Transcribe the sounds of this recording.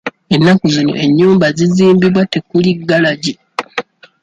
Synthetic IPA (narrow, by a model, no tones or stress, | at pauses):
e̞nːakuzino̞̰ʔe̞ɲːuːmbaziziːmbiβwate̞kuliɡːalaɟi